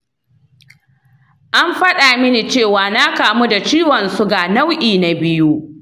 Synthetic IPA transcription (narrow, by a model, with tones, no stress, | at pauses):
ʔa˦mɸɐ˦ɗa˨mɪ˦ni˨t͡ʃeː˦˨waː˨na˦kaː˨mu˦da˨t͡ʃiː˦wɐ˨nsʊ˦ɡa˨na˦wʔiː˨na˨bɪ˦ju˦